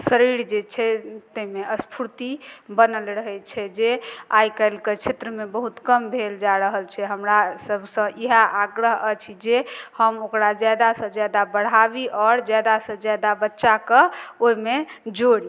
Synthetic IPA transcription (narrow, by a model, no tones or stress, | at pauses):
səɾiɾd͡ʒet͡ʃʰɛt̪əimeəspʰuɾt̪ibənəlɾəɦɛt͡ʃʰɛd͡ʒeajkəlket͡ʃʰet̪ɾəmebəɦut̪kəmbʱeld͡ʒaɾəɦəlt͡ʃʰɛɦəmɾasəbʱsə̃ʔiɦaʔaɡɾəɦət͡ʃʰid͡ʒehəmokɾad͡ʒad̪asə̃d͡ʒad̪abəɽ̤abiʔɔːɾd͡ʒad̪asə̃d͡ʒad̪abətːʃakəoimed͡ʒoɽ